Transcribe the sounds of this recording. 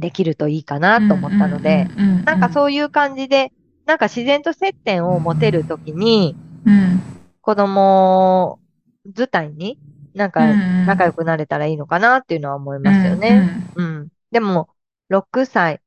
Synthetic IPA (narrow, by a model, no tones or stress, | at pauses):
d̪e̞kʲiɾɯ̟t̪o̞iːkanat̪ːo̞ːmo̞t̪ːano̞d̪e̞nãŋkaso̞ːjɯ̟ːkãɲ̟d͡ʑid̪e̞ | nãŋkaɕizẽ̞nt̪o̞se̞t̪ːẽ̞ɰ̃o̞mo̞t̪e̞ɾɯ̟t̪o̞kʲiɲ̟i | ko̞d̪o̞mo̞ | zɨt̪aiɲ̟inãŋkanakajo̞kɯ̟naɾe̞t̪aɾaiːno̞kanat̪ːe̞iɯ̟no̞βaomo̞imasɨjo̞̰ne̞ɯ̟̃ɴ | d̪e̞mo̞ | ɾo̞kɯ̟sai